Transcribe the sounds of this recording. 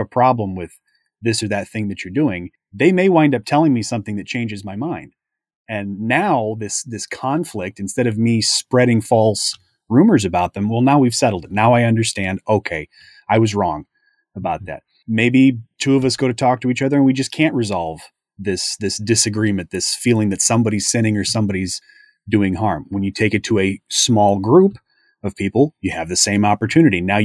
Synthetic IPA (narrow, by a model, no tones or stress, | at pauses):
əpʰɹ̥ɑblə̃mwɪð̥ | ɪsə˞ðɨt̪̚θɪ̃ŋðɨt͡ʃə˞dʉɪ̃ŋ | ðeɪmeɪwãɪ̃ndʌp̚tʰɛlˠɪ̃ŋmisʌ̃mθɪ̃ŋðɨt̚t͡ʃʰẽɪ̃nd͡ʒɨzmaɪmãɪ̃nd̥ | ɨ̃nːaʊðɪsðɪskʰɑ̃ɱflɪk̚tɨ̃n̩stɛɾʌvmispɹɛɾɪ̃ŋfɔlˠs | ɹʉ̃mə˞zɨbaʊt̪̚ðɨ̃mwɛlˠnaʊwiv̥sɛɾl̩ˠdɨt̚ⁿnaʊaɪʌ̃ndə˞stæ̃ndoʊkʰeɪ | aɪwʌzɹɔ̰̃ŋ | əbaʊt̪̚ðæ̰t̚ | meɪbitʰʉʌvʌsɡ̥oʊɾɨtʰɔk̚tʰɨit͡ʃʌðə˞ɨ̃nwid͡ʒʌskʰæ̃nʔɹɨzɑlˠv̥ | ðɪsðɪsd̥ɨsɨɡɹimɨ̃nðɪsfilˠɪ̃ŋðɨtsʌ̃mbɑɾiz̥sɪ̃ɾ̃ɪ̃ŋə˞sʌ̃mbɑɾiz | dʉɪ̃ŋɦɑɹmwə̃njɨtʰeɪkɨtʰəɨsmɔlˠɡɹup | ʌv̥pʰipl̩ˠjɨɨvðɨsẽɪ̃mɑpə˞tʰʉnɨɾinaʊ